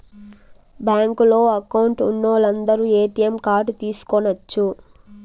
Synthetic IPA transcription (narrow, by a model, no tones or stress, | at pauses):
baːŋkulo̞ːɐkɐwuɳʈunːoːlɐnd̪ɐɾuːeːʈijɐmkaːɾɖt̪iːsu̥konɐt͡ʃːu